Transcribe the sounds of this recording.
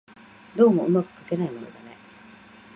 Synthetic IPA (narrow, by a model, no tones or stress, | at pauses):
d̪o̞ːmo̞ɯ̟makɯ̟̥kake̞naimo̞no̞̰d̪ane̞